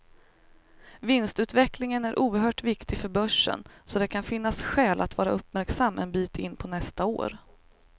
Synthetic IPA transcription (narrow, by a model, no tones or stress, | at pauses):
vɪnst̪ʉ̟ːt̪vɛklɪŋənæɾʔuːəɾɦœːʈvɪkt̪ɪfœɾbœʂːə̰nsɔd̪ɛkʰanfɪnːasɧɛːlʔa̰t̪vɑːɾaɵpːmæɾksamːɛ̰nbiːt̪ʰɪnːpʰɔnɛst̪ao̰ːɾ